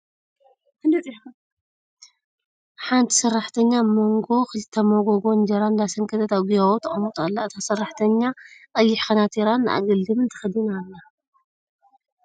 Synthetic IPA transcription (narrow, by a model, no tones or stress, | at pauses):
ħant̪ʰi̥sɨrːaħt̪ʰɐɲːamo̞ŋɡo̞xɨlɨt̪ʰːɐmoɡoɡo̞nd͡ʒɐɾand̪asɐŋkʰɐt̪ʰɐt̪aβɡiβawut̪ʰɐχʼɐmut̪ʼalːaʔt̪ʰasɨrːaħt̪ʰɐɲːakʼɐjːɪħxɐnat̪ʰiɾanːɨʔa̰ɡɨld̪ɨmɨnt̪ʰɨ̥xɨd̪ɨnalːa